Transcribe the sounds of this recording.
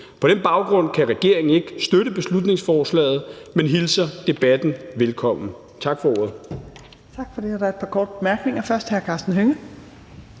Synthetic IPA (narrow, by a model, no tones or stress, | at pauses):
pʰɒ̽d̥ɾenb̥ɑ̈ʊɡ̥ʁɔ̽n̰kʰæʁɛɡ̥e̝ɐ̰e̝ŋn̩e̝ɡ̥sd̥øɾəb̥e̝slud̥ne̝ŋsfɒːslɛ̰ːð̞̩ˠmenɦilsɐd̥e̝b̥æd̥n̩ʋelkʰɒ̽m̰n̩ | t͡sʰɑ̈ɡ̥fɒ̽ɔ̰ːɐð̩ˠ | t͡sʰɑ̈ɡ̥fɒd̥e̝hɑdɑed̥̚pʰɑ̈kʰɒ̰ːd̥əb̥emæɐɡ̥ne̝ŋɐfɶɐsd̥hæɐkʰɑ̈sd̥n̩ɦøŋə